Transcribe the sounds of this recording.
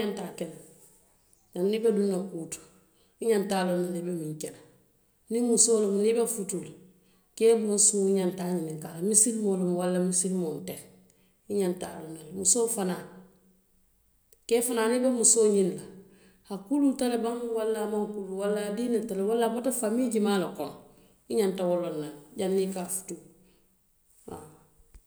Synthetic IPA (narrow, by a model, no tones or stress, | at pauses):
antakena | danːibedunːakuːtu̥ | iɲantaːlonːanibemiɲkena | nimusoːlomnibefutula | keːbonsuiɲantaɲiniŋkalamisilmolumwalːamisilmonteɾ | iɲantaːlonalmusoːfanaː | keːfanaːnibemusoːɲinla | hakulutalebaŋwalːamaŋkuluwalːadiːnatalewalːabotafamiːɟimaːlakoŋ | iɲantawolːonːaɟanːikafu̥tu | a̰